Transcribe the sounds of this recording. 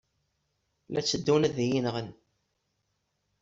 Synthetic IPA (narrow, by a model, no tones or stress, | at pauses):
læt͡sːəd̪ːunæðijinʁən